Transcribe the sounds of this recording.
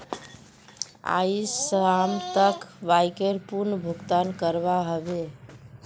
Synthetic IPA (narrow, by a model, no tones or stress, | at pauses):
a̰isamt̪əkʋajkeɾpuɾnəbʱukt̪ankəɾbaɦəbe